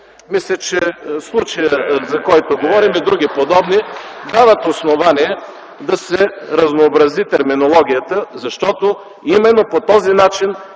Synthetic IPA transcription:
mislʲɐt͡ʃɛslˠut͡ʃɐjəzɐkɔjt̪oɡovɔɾimɛd̪ɾuɡ̟ipod̪ɔbnid̪avət̪osnovaniɛ | d̪ɐsɛɾɐznoːbɾɐzit̪ɛɾminolˠɔɡ̟ʲijət̪əzɐʃt̪ɔt̪o | imɛnːopot̪ɔzinat͡ʃin

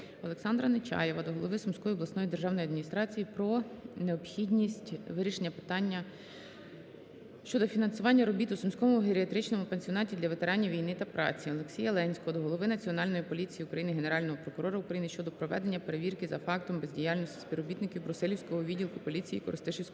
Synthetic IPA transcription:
ɔlˠe̞ksɑnd̪ɾɐnɪt͡ʃɑ̰jeʋɐd̪ɔɦɔlˠɔʋɪsʊmsʲkɔjɔb̪ˠɐsnɔjid̪erʒɑwnɔjɐd̪mʲinʲist̪ɾɑt͡sʲijipɾɔneɔpxʲid̪ʲnʲisʲtʲʋɪɾʲiʃenʲːɐpɪ̥t̪ɑnʲːɐ | ʃt͡ʃɔd̪ɔfʲinɐnsʊʋɑnʲːɐɾɔbʲit̪ʊsʊmʲsʲkɔmʊɦeɾʲiɐt̪ɾɪt͡ʃnɔmʊpenʲsʲiɔnɑtʲid̪lʲɐʋe̞t̪e̞ɾɑnʲiʋʲijnɪt̪ɐpɾʔɑ̰t͡sʲiɔlˠeksʲijɐlˠɛnʲsʲkɔɦɔd̪ɔɦɔlˠɔʋɪnɐt͡sʲiɔnɑlʲnɔjipɔlʲit͡sʲijiukɾɐjinɪɦeneɾɑlʲnɔɦɔpɾɔkʊɾɔɾɐʊkɾɐjinɪʃt͡ʃɔd̪ɔpɾɔʋɛd̪enʲːɐpe̞ɾeʋʲirkɪzɐfɑkt̪ɔmbezʲdʲijɑlʲnɔsʲtʲi̥sʲpʲiɾɔbʲit̪nɪkʲiwbɾʊsɛlʲiwsʲkɔɦɔʋʲidʲilˠkʊpɔlʲit͡sʲijḭkɔɾɪ̰st̪ɪʃɪwsʲk

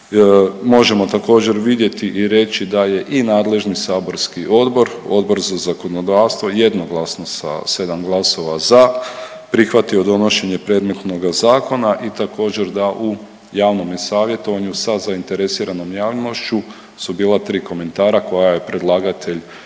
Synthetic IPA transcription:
mo̞ʒe̞mo̞t̪ako̞ːd͡ʑe̞ɾʋid̪je̞t̪iʔiɾe̞t͡ʃid̪aje̞ʔinaːd̪le̞ʒnisaːbo̞ɾskiʔo̞d̪bo̞ɾo̞̰d̪bo̞ɾzazako̞nod̪aʋst̪ʋo̞je̞d̪no̞ɡlˠasno̞sa̰se̞d̪amɡlˠaso̞ʋaza | pɾixʋat̪io̞d̪o̞no̞ʃe̞ɲe̞pɾe̞d̪me̞t̪no̞ɡazaːko̞naʔit̪ako̞ːd͡ʑe̞ɾd̪aʔu | jaːʋno̞mjesaːʋje̞t̪o̞ʋaɲusazaint̪e̞ɾesiːɾano̞mjaːʋlino̞ʃt͡ʃu | subiːlˠat̪ɾiːko̞me̞nt̪aːɾako̞jaje̞pɾe̞d̪lˠaːɡat̪ʰe̞ʎ

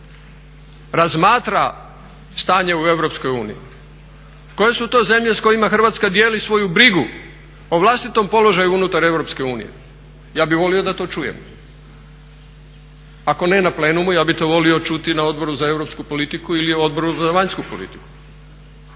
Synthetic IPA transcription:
ɾazmaːt̪ɾa | st̪aːɲeue̞ʋɾo̞psko̞juːnḭi | ko̞je̞sut̪o̞ːze̞mʎesko̞jimaxr̩ʋaːt̪skad̪je̞ːlisʋo̞jubɾiɡu | oʋlˠast̪it̪o̞mpo̞lo̞ʒajuunut̪aɾe̞ʋɾo̞pske̞uːnḭje̞̰ | jaːbiʋo̞lio̞d̪at̪o̞ːt͡ʃujḛm | ako̞ne̞naple̞ːnumujaːbit̪o̞ːʋo̞lio̞t͡ʃut̪inao̞d̪̚bo̞ɾuzae̞ʋɾopskupo̞lit̪ikuilio̞d̪̚bo̞ɾuzaʋaɲskupolḭt̪i̥ku̥

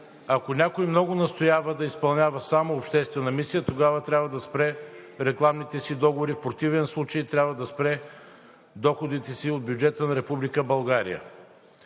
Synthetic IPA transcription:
ɐkonʲakojmnɔɡʊnɐst̪ojavəd̪ɐispɐlˠnʲavəsamoːpʃt̪ɛst̪vɛnəmisijət̪oɡavət̪ɾʲabvəd̪ɐspɾɛɾɛklˠamnit̪ɛsid̪ɔɡovoɾifpɾot̪ivɛnslˠut͡ʃəjt̪ɾʲjabvəd̪ɐspɾɛ | d̪ɔxod̪it̪ɛsiod̪̚bjud͡ʒɛt̪ənɐɾɛpublikəbɐlˠɡaɾḭjə̰

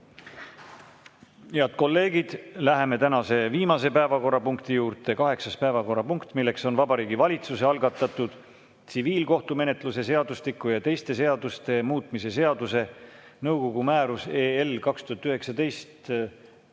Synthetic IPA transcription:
heɑd̪̚ko̞lːe̞ːɡ̥id̪̥læɦe̞me̞t̪ænɑse̞viːmɑse̞pæevɑko̞rːɑpuŋkt̪ijuːɾt̪e̞kɑɦe̞ksɑspæevɑko̞rːɑpuŋkt̪milːe̞kso̞nvɑbɑɾiːɡivɑlʲit̪suse̞ɑlɡ̥ɑt̪ˑːɑt̪ːud̪̥ | t̪siviːlko̞ht̪ume̞ne̞t̪ˑluse̞se̞ɑd̪̥uslikːˑujɑt̪e̞jst̪e̞s̬e̞ɑd̪̥ust̪e̞muːt̪ˑmise̞se̞ɑd̪̥use̞nɤwko̞ɡumæːɾuseːelkɑkst̪uhɑt̪ːyɦe̞ksɑd̪e̞jst̪

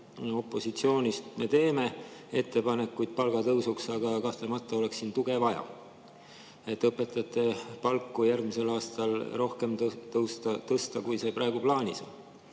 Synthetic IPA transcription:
o̞pːˑo̞sit̪sio̞ːnʲist̪me̞t̪e̞ːme̞e̞t̪ːe̞pɑne̞kːujd̪̥̚pɑlɡ̥ɑt̪ɤwsuksɑɡ̥ɑkɑht̪lemɑt̪ːˑɑo̞le̞ksːiːnt̪uɡ̥e̞vɑjɑ̰ | e̞t̪ːˑɤpːˑe̞t̪ːˑɑt̪ːˑe̞pɑlkːujærɡmise̞lɑːst̪ɑlro̞hke̞mt̪ɤwst̪ɑt̪ɤst̪ɑkujse̞pɾɑe̞ɡ̥uplɑːnʲiso̰n

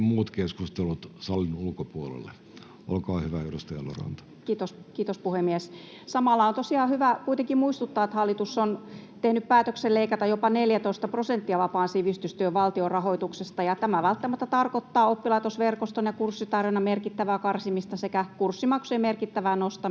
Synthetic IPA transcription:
muːt̪keskust̪elut̪sɑlːinulkopuolḛlːḛ | ʔo̰lkɑːhyʋæyrust̪ɑɑ̰lːo̰rɑ̰nt̪ɑ̥kiːt̪oskiːt̪ospuhemːies | sɑmɑlːɑont̪osiɑːhyʋækuit̪eŋkimuist̪ut̪ːɑːet̪hɑlːit̪usːont̪ehnyppæːt̪økselleikɑt̪ɑjopɑneljæt̪oˑist̪ɑprosent̪ːiɑʋɑpɑːnsiʋist̪yst̪yøʋʋɑlt̪iorɑhoit̪uksest̪ɑjɑt̪æmæʋælt̪ːæmæt̪ːæt̪ɑrkot̪ːɑːopːilɑit̪osʋerkost̪onjekursːit̪ɑrʋinɑmerkit̪ːæʋækɑrsimist̪ɑsekækursːimɑksueimerkit̪ːæʋænost̪ɑ

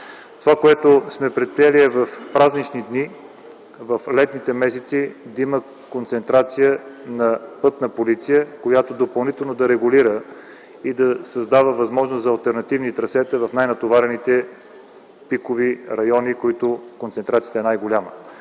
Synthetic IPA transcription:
t̪ovakoɛt̪osmɛpɾɛt̪̚pɾijɛliɛvəfpɾaznit͡ʃnid̪ni | vɐflɛt̪nit̪ɛmɛs̬ɛt̪sid̪ɐimə | kont̪sɛnt̪ɾat̪sijənɐpɤt̪nəpolit̪sijəkojat̪od̪opɐlˠnit̪ɛlˠnod̪ɐɾɛɡʊliɾə | id̪ɐsɐzd̪avəvɐzmɔʒnoszɐɐlˠt̪ɛɾnɐt̪ivnit̪ɾɐsɛt̪əvɐfnajnɐt̪ovaɾɛnit̪ɛ | pikʊviɾɐjɔnikoit̪ʊkont̪sɛnt̪ɾat̪siət̪əɛnajɡʊlʲamə

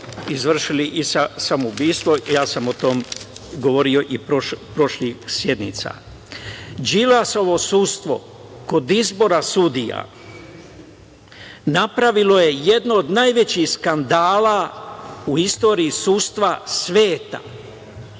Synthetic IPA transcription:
izʋr̩ʃiliʔisasamubiːst̪ʋojaːsamot̪omɡoʋo̞ɾio̞ʔipopɾo̞ʃlixsjed̪nḭt̪sa̰ | d͡ʒilaso̞ʋo̞sust̪ʋo̞̰ | ko̞d̪izbo̞ɾasud̪ija̰ | napɾaʋilo̞je̞je̞d̪noːd̪najʋe̞t͡ɕixskand̪aːla | uist̪o̞ːɾiisust̪ʋasʋe̞ːt̪a̰

